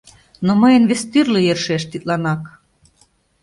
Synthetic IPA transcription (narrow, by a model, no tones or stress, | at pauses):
noməjə̆nβest̪yrlĕjerʃeʃt̪it̪lɑnɑk